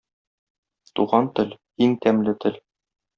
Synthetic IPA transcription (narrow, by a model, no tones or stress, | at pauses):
t̪ṵʁɑnt̪ɘl | iŋt̪æmlɘt̪ʰɘ̆l